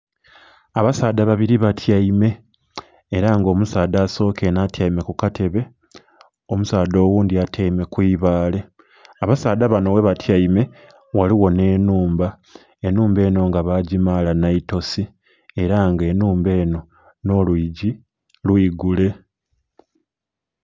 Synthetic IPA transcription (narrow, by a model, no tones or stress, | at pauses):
aβasaːd̪aβaβiɾiβatʰjaime̞ː | ɾaŋɡo̞ːmusaːdaːso̞ːke̞natjajime̞kukatʰe̞βe̞ | omusaːdo̞ːwuːndiatʰaime̞kwiːβaːle̞ | aβasaːdaβano̞we̞βatʰjaime̞ | waliwo̞ne̞ːnuːmba | e̞nuːmbe̞ːno̞ŋɡaβaɟimalanaito̞si | e̞ɾaŋɡe̞nuːmbe̞ːno̞ | no̞lwiːɟi | lwiːɡule̞